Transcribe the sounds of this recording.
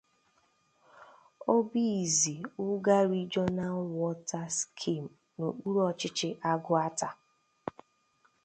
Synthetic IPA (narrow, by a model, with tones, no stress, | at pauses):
o˦bi˦˨zi˨ʊ˦ɡa˦ɾi˦d͡ʒɔ˦na˦wɔ˦ta˦skʰi˦˨m̩˨ | no˨k͡pu˦ɾɔ˦˨t͡ʃɪ˦t͡ʃɪ˦ʔa˦ɡʊ˦a˦ta˨